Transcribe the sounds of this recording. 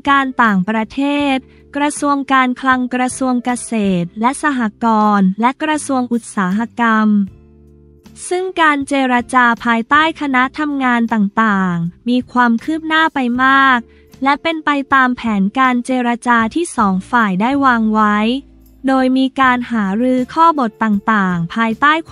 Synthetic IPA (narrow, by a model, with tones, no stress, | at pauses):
kaː˧nt̪aː˨˩ŋpɾa˧t̪ʰeː˥˩t̪̚ | kɾa˧su˧əŋkaː˧nkʰla˧ŋkɾa˧su˧əŋka˧seː˨˩t̪̚lɛ˦˥ʔsa˧ɦa˧kɔː˧nlɛ˦˥kɾa˧su˧əŋʔu˨˩t̪̚saː˩˦ɦa˧ka˧m | sɯ˥˩ŋkaː˧nt͡ɕeː˧ɾa˧t͡ɕaː˧pʰaː˧jt̪aː˥˩jkʰa˧na˦˥t̪ʰa˧mŋaː˧nt̪aː˨˩ŋt̪aː˨˩ŋmiː˧kʰwaː˧mkʰɯː˥˩p̚naː˥˩pa˧jmaː˥˩k̚ | lɛ˦˥pe˧np̪a˧jt̪aː˧mpʰɛː˩˦nkaː˧nt͡ɕeː˧ɾa˧t͡ɕaː˧t̪ʰiː˥˩sɔː˩˦ŋfaː˨˩jdaː˥˩jwaː˧ŋwa˦˥j | doː˧jmiː˧kaː˧nhaː˩˦ɾɯː˧˥kʰɔː˥˩bo˨˩t̪ːaː˨˩ŋt̪aː˨˩ŋpʰaː˧jt̪aː˥˩j